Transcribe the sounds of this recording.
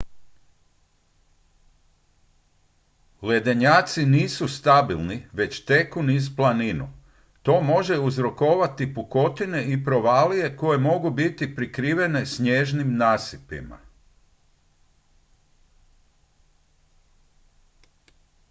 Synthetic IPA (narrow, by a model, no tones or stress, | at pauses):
le̞d̪eɲaːt̪siniːsust̪abilˠniʋe̞t͡ɕt̪e̞kunizplˠaninṵ | t̪o̞ːmo̞ʒe̞uzɾo̞ko̞ːʋat̪ipuko̞t̪ine̞ipɾo̞ʋaːlije̞ko̞je̞mo̞ɡubit̪ipɾikɾiːʋe̞ne̞sɲe̞ːʒnimnaːsipḭma̰